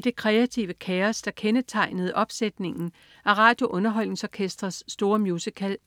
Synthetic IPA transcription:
d̥e̝kʰʁɛæt͡sʰiʊəkʰeɐsd̥ɑ̈kʰenət͡sʰɑ̈ɪ̰nəð̞̩ˠʔɒ̽b̥sed̥ne̝ŋn̩ | æɐʁɑ̰̈ːd̥jo̝ʔɔ̽nɐɦɒ̽l̰ne̝ŋsɒkʰesd̥ʁɐsːd̥o̝ːɐmjuːsikʰæl̰

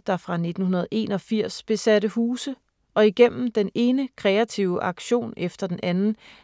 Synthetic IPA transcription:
d̥ɑ̈fʁɑ̈ne̝d̥n̩hunɐð̞ˠʔe̝̰ːnɒ̽fiɐ̰sb̥e̝sæɾəhuːsə | ɒ̽iɡ̥em̰m̩d̥ene̝ːnəkʰʁɛæt͡sʰiʊəʔɑ̈ɡ̥ɕo̝̰ːnefd̥ɐd̥enʔænn̩

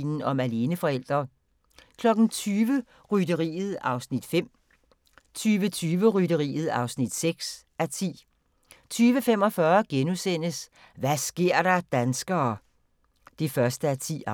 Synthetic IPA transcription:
nn̩ɒ̽mæle̝ːnəfɒ̽el̰d̥ʁɐ | kʰlɒ̽ɡ̥n̩t͡sʰyːʋə | ʁydəʁḭːð̩ˠɑ̈ʊsnid̥fem̰ | t͡sʰyːʋət͡sʰyːʋəʁydəʁḭːð̞̩ˠɑ̈ʊsnid̥seɡ̥s | æt͡sʰḭː | t͡sʰyːʋəfem̰ɒ̽fɶːɐɡ̥enusen̰əs | ʋæsɡ̥e̝ɐ̰ɾ̥ɑ̈d̥ænsɡ̥ɐː | d̥e̝fɶɐsd̥əæt͡sʰḭ

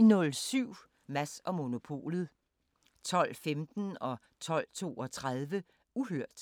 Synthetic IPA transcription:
inɔ̽lsyʊ̰ | mæsɒ̽mo̝no̝pʰo̝̰ːlð̩ˠ | t͡sʰɒ̽l̰femd̥n̩ɒ̽ | t͡sʰɒ̽l̰t͡sʰo̝̰ːɒ̽t͡sʰʁaðˠʋə | uɦøɐ̰d̥

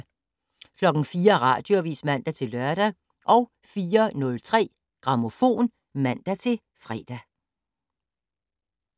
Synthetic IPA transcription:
kʰlɒ̽ɡ̥n̩fiːɐʁɑ̰̈ːd̥jo̝ʋḭːsmæn̰d̥æt͡sʰe̝lɶɐɾ̥æ | ʔɒ̽ʊ | fiːɐnɔ̽lt͡sʰʁɛ̰ː | ɡ̥ʁɑ̈mo̝fo̝̰ːn | mæn̰d̥æt͡sʰe̝l | fʁɛ̰ːd̥æ

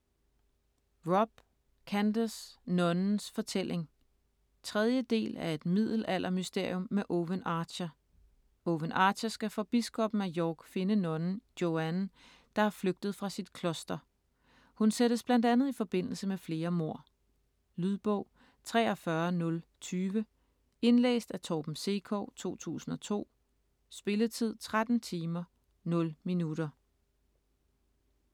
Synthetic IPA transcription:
ʁɒb̥ | kʰænd̥əsnɔ̽nn̩sfɒ̽t͡sʰel̰ʔe̝ŋ | t͡sʰʁɛð̞ˠjəd̥e̝̰ːlæɐe̝d̥mið̰ˠl̩æl̰ʔɐmysd̥e̝ɐ̰jɔ̽mːeʔɔʋənɑ̥̈ːɕɐ | oʋənɑ̥̈ːɕæsɡ̥æfʁɒb̥isɡ̥ɒ̽b̥m̩æjɒːɡ̥fe̝nənɔ̽nn̩jo̝æn | d̥ɑ̈æɐfløɡ̥̚d̥ð̞̩ˠfʁɑ̈sid̥̚kʰlɔ̽sd̥ɐ | hunseɾ̥əsb̥lænd̥ænð̞̩ˠifɒ̽b̥e̝n̰l̩səmefle̝ːɐmo̝ɐ̰ | lyðˠb̥ɔ̽ʊ̰ | t͡sʰʁɛːɒ̽fɶɐnɔ̽lt͡sʰyːʋə | e̝nlḛːsd̥æt͡sʰɒːb̥m̩se̝̰kʰɔ̰ːt͡sʰo̝̰ːt͡sʰṵːsn̩ɒ̽t͡sʰo̝̰ː | sb̥e̝lət͡sʰið̞̰ˠt͡sʰʁad̥n̩t͡sʰiːmɐ | nɔ̽lminuɾ̥ɐ

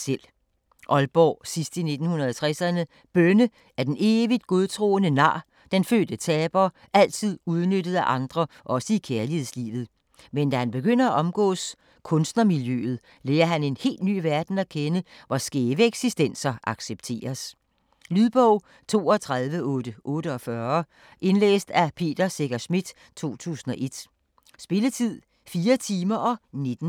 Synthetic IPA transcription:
sel̰ | ʔɒ̽lb̥ɒ̰ːsisd̥ine̝d̥n̩hunɐð̞̩ˠɒt͡sʰʁasænə | b̥ønə | æɐd̥ene̝ːʋid̥̚ɡ̥o̝ð̞ˠt͡sʰʁo̝̰ːənənɑ̰̈ː | d̥enfø̰ːd̥ət͡sʰɛːb̥ɐ | ʔæl̰t͡sʰið̞̰ˠuð̞ˠnød̥əð̞̩ˠæʔɑ̈nd̥ʁɐʔɒ̽səikʰeɐlihe̝ð̰ˠslḭːʋð̞̩ˠ | mend̥æhænb̥e̝ɡ̥øn̰ɐæʔɒ̽mɡ̥ɔ̰̽ːs | kʰɔ̽nsd̥nɐmiljø̰ð̞̩ˠ | leːɐɦæne̝nhe̝̰ːld̥ny̰ːʋæɐd̥n̩ækʰenəʋɒsɡ̥eːʋəeɡ̥sisd̥en̰sɐʔɑ̈ɡ̥seb̥̚t͡sʰe̝̰ːɐs | lyðˠb̥ɒʊ̰ | t͡sʰo̝̰ːɒ̽t͡sʰʁaðˠʋəʔɔ̽ːd̥əʔɔ̽ːɾəɒ̽fɶɐ | ʔe̝nlḛːsd̥æpʰe̝̰ːd̥ɐseɡ̥ɐsmid̥ | t͡sʰo̝̰ːt͡sʰṵːsn̩ɒ̽ʔe̝d̥ | sb̥e̝lət͡sʰið̰ˠ | fiːɐt͡sʰiːmɐʔɒ̽ne̝d̥n̩

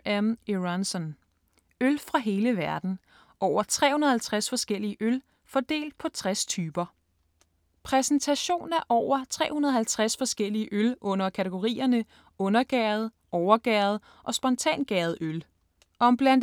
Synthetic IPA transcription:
æmeansɒn | ølfʁɑ̈ɦe̝ːləʋæɐd̥n̩ | ʔɒʊ̰ɐt͡sʰʁɛ̰ːhunɐð̩ˠhælt͡sʰʁasfɒ̽sɡ̥el̰iəʔøl | fɒ̽d̥e̝̰ːld̥̚pʰɒ̽t͡sʰʁast͡sʰyːb̥ɐ | pʰʁɛsn̩t͡sʰæɕo̝̰ːnæɐʔɒʊ̰ɐt͡sʰʁɛ̰ːhunɐð̞̩ˠhælt͡sʰʁasfɒ̽sɡ̥el̰iəʔølɔ̽n̰ɐkʰæt͡sʰeɡ̥o̝ʁḭːɐnə | ɔ̽nɐɡ̥ɛːð̞̩ˠ | ʔɒʊɐɡ̥ɛːð̩ˠ | ʔɒ̽sb̥ɒ̽nt͡sʰɛ̰ːnɡ̥ɛːð̞̩ˠøl | ɒ̽mb̥læn̰d

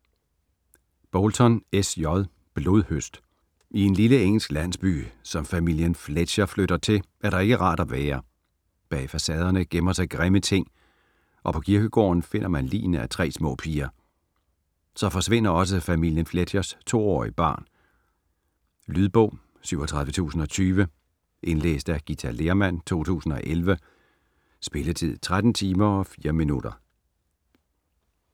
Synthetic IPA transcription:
b̥ɔlt͡sʰɒ̽nesjɒðˠ | b̥lo̝ðˠhøsd̥ | ʔie̝nliləeŋ̰l̩sɡ̥læn̰sb̥y̰ːsɒ̽mfæmil̰jənfle̥ɕɐfløɾ̥ɐt͡sʰe̝lʔæɐɾɑ̈e̝ɡ̥əʁɑ̈ːɾ̥ɒʋæːɐ | b̥ɛ̰ɪfæsɛð̞ˠɐnəɡ̥emɐsɑ̈ɪɡ̥ʁemət͡sʰe̝ŋ̰ | ʔɒ̽pʰɒ̽kʰiɐɡ̥əɡ̥ɔ̰ːnfe̝n̰ʔɐmænlḭːnəæt͡sʰʁɛ̰ːsmɔ̰̽ːpʰiːɐ | sɒ̽fɒ̽sʋe̝n̰ɐɒ̽s̬əfæmil̰jənfledʰjɐst͡sʰo̝̰ːɒ̰ːib̥ɑ̰̈ːn | lyðˠb̥ɔ̽ʊ̰ | syʊ̰ɒt͡sʰʁɑðˠʋət͡sʰṵːsn̩ɒ̽t͡sʰyːʋə | ʔe̝nlḛːsd̥æɡ̥it͡sʰæle̝ːɐmæn̰t͡sʰo̝̰ːt͡sʰṵːsn̩ɒ̽ʔelʋə | sb̥e̝lət͡sʰið̰ˠt͡sʰʁad̥n̩t͡sʰiːmɐɒ̽fiːɐminud̥ɐ

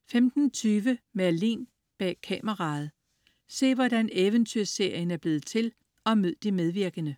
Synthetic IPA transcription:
femd̥n̩t͡sʰyːʋəmæɐlḭːn | b̥ɛ̰ːkʰɛməʁɑ̈ð̞̩ˠ | se̝̰ːʋɒd̥æneʋənt͡sʰyɐ̰se̝ɐ̰jənæɐb̥le̝ːð̞̩ˠt͡sʰe̝l | ʔɒ̽møð̞̰ˠd̥imeð̞ˠʋiɐɡ̥ənə

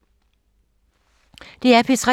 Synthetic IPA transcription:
d̥e̝æɐpʰisʁɑ

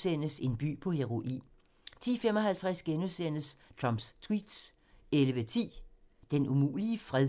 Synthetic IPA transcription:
sen̰əse̝nb̥y̰ːpʰɒ̽he̝ʁo̝ʔḭː | t͡sʰḭːfem̰ɒ̽ɦælt͡sʰʁæsɡ̥enusen̰əst͡sʰʁɒmb̥st͡sʰwḭːd̥s | eləʋət͡sʰḭːd̥enumṵːliəfʁɛ

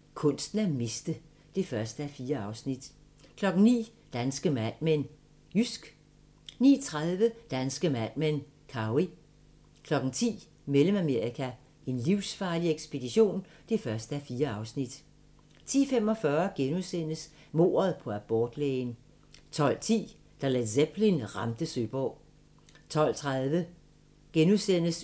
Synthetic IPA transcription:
kʰɔ̽n̰sd̥n̩æme̝sd̥ə | d̥e̝fɶɐsd̥əæfiːɐɑ̈ʊsnid̥ | kʰlɒ̽ɡ̥n̩nḭː | d̥ænsɡ̥əmæn̰men | ysɡ̥ | nḭːt͡sʰʁað̞ˠʋəd̥ænsɡ̥əmæn̰men | kʰɑ̈i | kʰlɒ̽ɡ̥ŋ̩t͡sʰḭː | meləmæme̝ɐ̰ikʰæ | ʔe̝nliʊsfɑ̈ːlieɡ̥sb̥e̝d̥iɕo̝̰ːn | d̥efɶɐsd̥əæfiːɐɑ̈ʊsnid̥ | t͡sʰḭːfem̰ɒ̽fɶːɐɡ̥enuðˠsen̰əs | mo̝̰ːɐð̞̩ˠpʰɒ̽æb̥ɒːd̥lḛːn | t͡sʰɒ̽l̰t͡sʰḭː | d̥ɑ̈lædseb̥linʁɑ̈md̥əsøːb̥ɒ̰ː | t͡sʰɒ̽l̰t͡sʰʁaðˠʋə | ɡ̥enuðˠsen̰əs

